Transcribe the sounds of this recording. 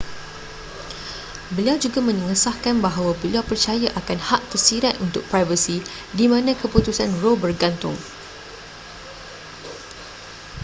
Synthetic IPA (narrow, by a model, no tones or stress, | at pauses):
bəliawd͡ʒuɡamə̃nə̃ŋəsahkanbaɦawabəliawpərt͡ʃajaʔakanhaʔ̚t̪ərsiɾat̪unt̪ʊk̚pɾajvəsi | dimãnãkəput̪usanrobərɡant̪ʊ̰ŋ